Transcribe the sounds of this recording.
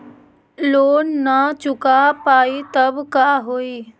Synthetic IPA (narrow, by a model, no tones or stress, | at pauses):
loːnːat͡ʃʊkapaːit̪ɐbkaːɦoːiː